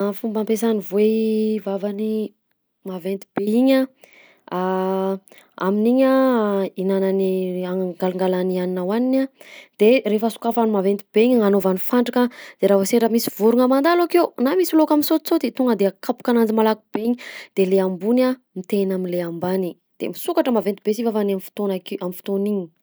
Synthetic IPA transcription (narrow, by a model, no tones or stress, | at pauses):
afumbampesanivwevavani | mavent̪i̥b̥eiɲa | a | a̰miniɲainananiaŋɡaluŋɡalanianinawaninad̪̥erefəsu̥kafanimavent̪ibeiɲaŋanovanifaɳɖ͡ʐakad̪̥eɾavaseɾəmisi̥vuɾuŋəmand̪alakewnamisilokaminsot̪t͡sod̪et̪oŋəd̪eakapu̥kanand͡zimalakub̥eɲid̪̥eleambuna | mit̪enaminleambani | d̪̥ḛmisukaʈ͡ʂəmavent̪ibesivafanamfi̥t̪onakamifi̥t̪oniɲi̥